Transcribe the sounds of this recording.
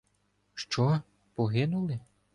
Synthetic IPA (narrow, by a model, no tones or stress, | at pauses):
ʃt͡ʃɔ | pɔɦɪnʊlˠɪ